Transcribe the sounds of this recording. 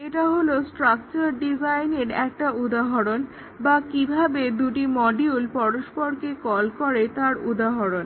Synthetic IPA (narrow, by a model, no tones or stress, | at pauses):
eʈaɦolosʈɾak̚t͡ɕaɾɖizajneɾɛk̚ʈaud̪aɦoɾon | bakibʱabed̪uʈimɔɖiulpɔɾoʃpoɾkekɔlkoɾet̪aɾud̪aɦoɾon